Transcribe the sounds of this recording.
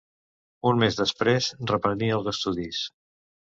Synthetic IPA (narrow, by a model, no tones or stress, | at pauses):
unmezðəspɾezrəpɾəniəlˠzəst̪uðis